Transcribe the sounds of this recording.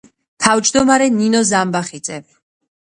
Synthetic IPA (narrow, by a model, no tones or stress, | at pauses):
t̪ʰavd͡ʒd̪ɔmaɾɛninɔzambaχid̪zɛ